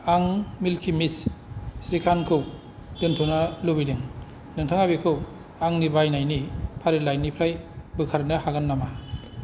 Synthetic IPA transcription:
aŋmilkʰimissɾikʰankʰɯw | dɯntʰunalubidɯŋ | nɯŋtʰɯŋabikʰɯw | aŋnibajnajnipʰaɾilajnipʰɾajbɯkʰaɾnɯhaɡanːama

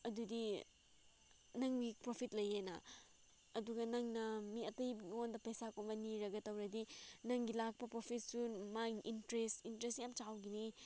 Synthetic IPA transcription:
ɐdudi | nɐŋbipɾopʰit̚lɐjenɐ̰ | ɐduɡɐnɐŋnɐmiɐtɐjŋondɐpɐjsakonbɐniɾɐɡɐtɐwɾɐdinɐŋɡilak̚pɐpɾopʰit̚sumaŋʔintɾestintɾestjamt͡ʃawɡini

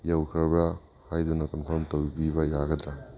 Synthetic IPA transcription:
jawkʰɐbɾa | hajdunɐkɔnpʰɔɾmtowbibɐjaɡɐdɾa

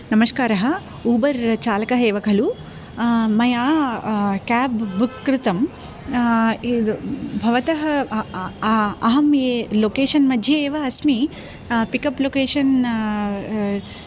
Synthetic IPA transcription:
nɐmɐskaːɾɐɦɐ̆ | uːbɐɾt͡ʃaːlɐkɐɦeːʋɐkʰɐlu | mɐjaː | kaːbbukːɾɪt̪ɐm | bʱɐʋɐt̪ɐɦɐ | ɐɦɐmjeːloːkeːʂɐnmɐd̪ʱjɐeːʋɐɐsmi | pikɐploːkeːʂɐn

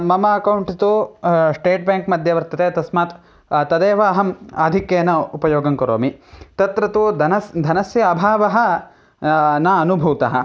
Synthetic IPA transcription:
mɐmɐɐkɐwɳʈɐt̪osʈeːʈ̚baːŋkmɐd̪ʱjɐʋɐɾt̪ʰɐt̪eːt̪ɐsmaːt̪ | t̪ːɐd̪eːʋaːɦɐma̰ːd̪ʱikjeːnɐupɐjoːɡɐŋkɐɾoːmit̪ɐt̪ɾɐt̪oːd̪ɐnɐd̪ʱɐnɐsjɐːbʱaːʋɐɦɐ̆ | naɐnubʱuːt̪ɐɦɐ̰

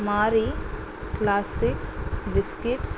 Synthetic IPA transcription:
maːɾi | klaːsɪkbɪskɪʈs

